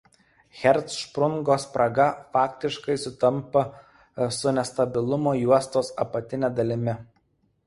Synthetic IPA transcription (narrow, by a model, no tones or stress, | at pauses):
xʲɛɾt̪sʃpɾʊŋɡoːspɾɐɡɐfɑːkʲt̪ʲɪʃkɐɪsʊt̪ɐmpɐ | sʊnʲɛst̪ɐbʲɪlˠʊmoːjuɔst̪oːsɐpɐt̪ʲɪnʲeːd̪ɐlʲɪmʲɪ